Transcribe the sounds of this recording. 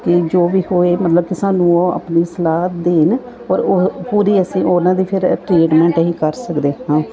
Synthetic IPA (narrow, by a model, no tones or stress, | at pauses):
kɪd͡ʒoːʋiːhoːeːmət̪ləb̚kɪsaːnũːoːə̰pniːsəlaːt̪̚d̪eːn | ɔːɾoːpuːɾiːəsĩːʔoːnãːd̪iːpʰɪɾʈɾeːʈmɛ̃ːɳʈɦĩːkəɾsəkd̪eːɦãː